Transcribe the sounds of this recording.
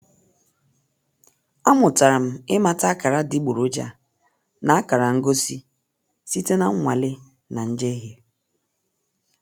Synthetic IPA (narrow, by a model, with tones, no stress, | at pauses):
a˦mʊ˨ta˨ɾa˨m̩˦ɪ˦ma˨ta˦a˦ka˨ɾa˦di˦ɡ͡bu˨ɾo˦d͡ʒa̰˨ | na˨a˦ka˨ɾa˨ŋ̩˦ɡo˦si˦ | si˦te˦na˦ŋ̩˦ŋʷa˨lɪ˦ | na˨n̩˦d͡ʒe˦ɦe˦